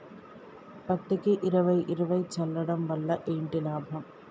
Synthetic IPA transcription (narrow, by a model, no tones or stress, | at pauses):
pɐt̪ːɯkːɯʔɪɾɐʋɐɪʔɪɾɯʋɐɪt͡ʃːɐlːɐɽɐmʋɐlːɐʔeːɳɖɪlaːbʱɐm